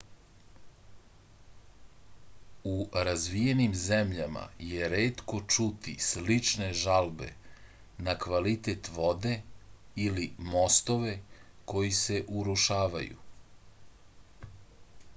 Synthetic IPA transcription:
uɾazʋije̞nimzemʎama̰jeɾeːt̪ko̞t͡ʃut̪ḭslit͡ʂne̞ʒalbe̞̰ | nakʋalit̪e̞t̪ʋo̞d̪e̞ilimo̞st̪o̞ʋe̞ko̞jise̞ʔuɾuʃaːʋa̰jṵ

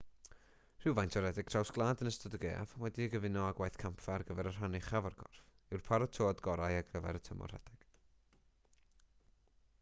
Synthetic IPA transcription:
r̥ɪwvajntʰɔɾɛdɪɡ̥̚tʰrawsɡ̥lˠaːdənəstɔdəɡḛːavwɛdiəɡəvɪnɔaɡwajθkʰampʰfarɡəvɛɾər̥ɦanɪχavarɡɔ̰rf | ɪwrpʰaɾɔtʰoːdɡɔɾajaɡɡəvɛ̰ɾətʰəmɔ̰r̥ɛ̰d̥ɪɡ̥

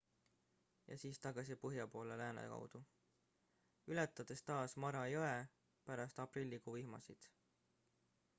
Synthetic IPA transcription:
jɑ̰siːst̪ɑɡ̥ɑsipɤɦjɑpo̞ːlelæːnɑ̰kɑ̰wd̪̥u | ylet̪ːˑɑd̪̥e̞st̪ɑːsmɑɾɑjoe | pæɾɑst̪ɑprilʲːikuːihmɑsid̪̥

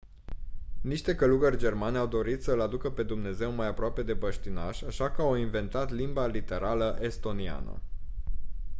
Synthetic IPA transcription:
niʃt̪e̞kəluɡərʲd͡ʒe̞rmaneawd̪o̞ɾit̪səɨlad̪ukəpe̞d̪umne̞ze̞wmajapɾoape̞d̪e̞bəʃt̪ina̰ʃaʃakəawinve̞nt̪at̪limbalit̪e̞ɾʔaləʔe̞st̪o̞nia̰nə̰

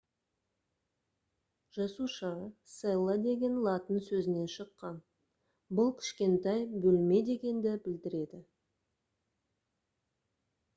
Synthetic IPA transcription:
ʒ̥ɑsuʃəselˠəd̪e̞ɡʲe̞nlˠɑt̪ənsɵzɪne̞nʃəqːɑn | bʊlˠkʲʰɪ̥ʃkʲe̞nt̪ɑjbɵlme̞d̪e̞ɡʲe̞nd̪ɪbɪld̪ɪɾe̞d̪ɪ

